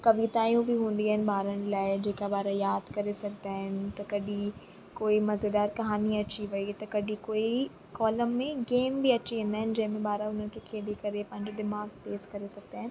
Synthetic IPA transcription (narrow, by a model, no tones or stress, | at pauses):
kɐʋit̪aːjũbʱiɦũːn̆d̪iaːɦɪnɪ̆baːɾəñlaːɪd͡ʑeːkabaːɾajaːd̪kɐɾesɐk̚d̪aːɦɪnɪt̪ɐkɐɖʱi | koːimɐzed̪aːɾkɐɦaːniɐt͡ɕiʋɐit̪ɐkɐɖʱikoːi | kɔːləmːẽɡeːmbiɐt͡ɕiɦẽːn̆d̪aːɦɪnɪ̆d͡ʑɐ̃ɦɪ̃mẽbaːɾaʊn̤ɦənɪkʰekʰeːɽekɐɾepɐ̃ɦɪ̃ɲd͡ʑod̪ɪmaːɡt̪eːzkɐɾesɐɡ̚d̪aːɦɪnɪɪ̆